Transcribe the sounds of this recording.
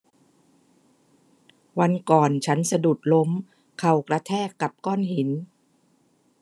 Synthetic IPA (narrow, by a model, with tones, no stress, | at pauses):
wa˧nkɔː˨˩nt͡ɕʰa˦˥nsa˧du˨˩t̪̚lo˦˥m | kʰa˨˩wkɾa˧t̪ʰɛː˥˩kːa˨˩p̚kɔː˥˩nhi˨˩˦n